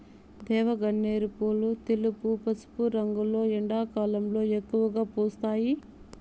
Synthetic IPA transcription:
d̪ɛːʋɐɡɐɳːeːɾipoːlut̪elupupɐsu̥puɾɐŋɡulo̞ːiɳɖaːkaːlɐmlo̞ːekːuʋɐɡaːpuːst̪aːji

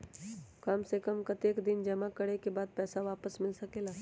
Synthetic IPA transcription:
kɐmsekɐmkɐt̪eːkd̪ɪnd͡ʒɐmakɐɽekebaːd̪̚pɛːsaʋaːpəsmɪlsɐkelaː

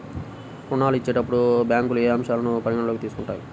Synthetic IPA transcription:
uɳːaːluit͡ʃːe̞ːʈɐpːuɽubjaːŋkulueːɐmʂjaːlɐnupɐɾiɡɐɳɐloːkit̪iːsu̥kuɳʈaːjḭ

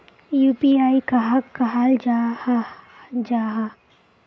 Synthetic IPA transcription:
juːpiaːikaɦakːɐɦaːld͡ʒahad͡ʒaːɦa

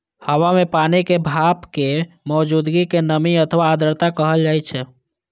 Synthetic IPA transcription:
həwamepanikebʱapke | mɔːd͡ʒud̪ɡikenəmiət̪ʰʋaːd̪əɾt̪akəɦəld͡ʒajt͡ʃʰɛ

